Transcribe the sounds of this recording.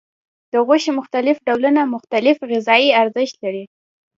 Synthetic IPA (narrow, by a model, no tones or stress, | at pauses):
d̪̥əɣoʃemʊxt̪alɪfɖawlunamʊxt̪alɪfɣɪzɑiaɾzəʃt̪laɾi